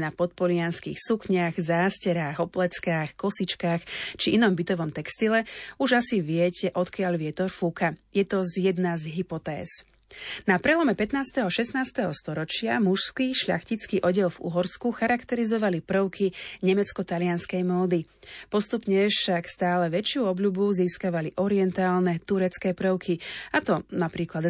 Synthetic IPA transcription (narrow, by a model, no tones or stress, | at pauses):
napɔt̪̚pɔʎɪanskḭxsukɲaɣzaːscɛɾaːɣɔplɛt͡skaːxkɔsit͡ʃkaːxt͡ʃiʔinɔmbit̪ɔʋɔmt̪ɛkst̪ilɛuʒasiʋɪɛcɛʔɔt̪kɪaʎʋɪɛt̪ɔɾfukajɛt̪ɔzjɛd̪nazɦipɔt̪ɛ̰ːz | napɾɛlɔmɛpɛt̪naːst̪ɛɦɔʃɛst̪naːst̪ɛɦɔst̪ɔɾɔt͡ʃɪamuʃskiʃʎa̰xcit͡skiːʔɔɟɛlvṵɦɔɾskuxaɾakt̪ɛɾizɔʋalipɾəʊkʰiɲɛmɛt͡skɔt̪alɪanskɛjmɔːd̪ipɔst̪upɲɛfʃakst̪aːlɛʋɛt͡ʃɪuːɔbʎubuziːskaʋaliʔɔɾiɛnt̪aːlnɛt̪uɾɛt͡skɛːpɾəʊkʰiat̪ɔnapɾiːklad̪